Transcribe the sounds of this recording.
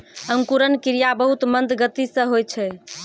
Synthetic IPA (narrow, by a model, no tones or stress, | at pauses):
əŋkuɾənkiɾijabəɦut̪mənd̪ɡət̪isə̃ɦojt͡ʃʰɛ